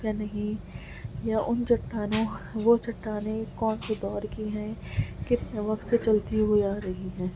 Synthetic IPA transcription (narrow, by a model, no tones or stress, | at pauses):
janɐɦĩ | jaʔʊnt͡ʃɐʈːaːnõʋot͡ʃɐʈːaːnekɔːnkod̪ɔːɾkiɦɛ̃kɪt̪neʋɐkt̪set͡ʃɐlt̪iɦuiaːɾɐɦiɦɛ̃ː